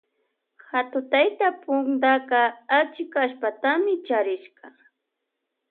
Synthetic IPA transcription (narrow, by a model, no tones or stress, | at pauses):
hat̪ʊt̪ajt̪apʊŋd̪akɑːt͡ʃɪkaʃpat̪amɪt͡ʃaɾɪʃɢɑ